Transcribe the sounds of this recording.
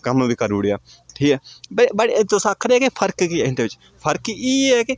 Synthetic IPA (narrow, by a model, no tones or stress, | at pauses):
kəmnũːbiːkəɾuːɽejaː | ʈʰiːkɛːbbaːɽit̪osaːkʰːɾeɛːkipʰəɾkkiɪ̃nd̪eːʋɪt͡ʃ | pʰəɾkiːɛːki